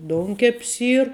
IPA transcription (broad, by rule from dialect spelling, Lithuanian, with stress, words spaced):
ˈdoːʊŋʲkʲɛpʲs ˈiːr